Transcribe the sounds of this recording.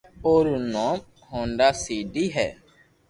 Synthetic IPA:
oːɾunõːm | hõːɳɖaːsiːɖiːɦɛ̰ː

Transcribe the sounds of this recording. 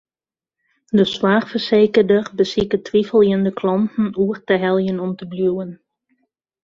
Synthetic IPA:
dəswaːxfərseːkərdərbəsikətʰʋifəlˠjəndəkʰlɔntn̩uərtəɦɛlˠjənɔmtəbljuːən

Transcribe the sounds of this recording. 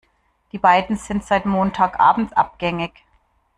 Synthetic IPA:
d̥iːbaɪdn̩z̥ɪntz̥aɪtmoːntʰaːkʔa̰ːbm̩tʔa̰p̚ɡ̥ɛŋɪç

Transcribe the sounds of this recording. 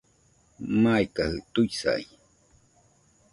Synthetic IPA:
maikahɯt̪uisa̰i

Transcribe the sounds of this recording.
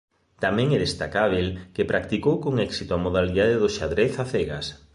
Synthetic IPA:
t̪amɛ̃ŋɛðest̪akaβ̞elkepɾak̚t̪ikowkoŋɛksit̪ʊamoð̞aliðaðeðʊʃaðɾeθaθeɣa̰s

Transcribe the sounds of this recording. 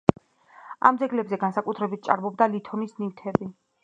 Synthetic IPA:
a̰md̪zɛɡlɛbzɛɡansakʼut̪ʰɾɛbit̪̚ʰt͡ʃʼa̰ɾmɔb̚d̪alit̪ʰɔnisnivt̪ʰɛbi

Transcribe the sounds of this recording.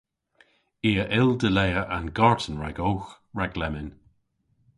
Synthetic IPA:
iːəʔɪld̪əlɛjəʔanɡaɹtʰənɹɛɡowx | ɹɛɡlɛmɪn

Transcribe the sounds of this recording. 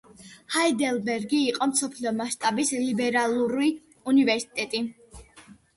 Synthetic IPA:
haid̪ɛlˠbɛɾɡiːqʼɔmsɔpʰliɔmaʃt̪ʼabislibɛɾalˠuɾi | univɛɾsi̥t̪ʼɛt̪ʼi

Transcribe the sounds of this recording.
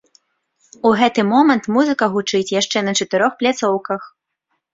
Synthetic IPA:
uɣɛt̪ɨmɔmɐnt̪muzɨkɐɣut͡ʂɨt͡sʲjaʂt͡ʂɛnɐt͡ʂɐt̪ɨɾɔxplʲat̪sɔwkɐx

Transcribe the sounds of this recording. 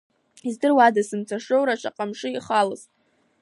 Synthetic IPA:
izdɨrwadasɨmt͡sʷʰaʂowɾaʈ͡ʂʰaqʼamʂɨiχalɨztʼ

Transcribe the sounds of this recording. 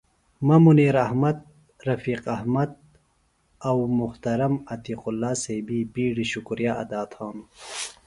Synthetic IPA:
mamuniːɾahmɐd̪̚ | ɾɐfiːqahmad̪̚ | awmʊht̪ɐɾɐmɐt̪iːqʊlːɑːsebibiːɽiɕʊkɾjaʔad̪aːt̪haːm

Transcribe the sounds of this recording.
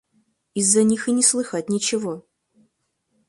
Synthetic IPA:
izːɐnʲixɨnʲɪslˠɨxatʲnʲɪt͡ɕɪvo

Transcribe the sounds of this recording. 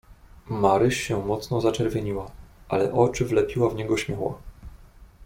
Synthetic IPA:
maɾɘʂɕɛmɔt̪snɔzat͡ʂɛɾvʲjeɲiwaalɛʔɔt͡ʂɘvlɛpʲiwavɲɛɡɔɕmʲjɔwa̰

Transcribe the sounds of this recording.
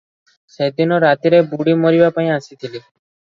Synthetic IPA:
sed̪inɔɾat̪iɾebuɽimoɾibapaĩasit̪ʰili

